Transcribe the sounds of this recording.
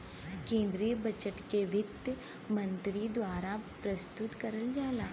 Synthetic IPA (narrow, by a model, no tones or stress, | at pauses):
kẽːnd̪ɾijəbət͡ʃəʈkeʋɪt̪j | mə̃nt̪ɾid̪waːɾapɾəst̪ʊt̪kɐɾəld͡ʒaːlaː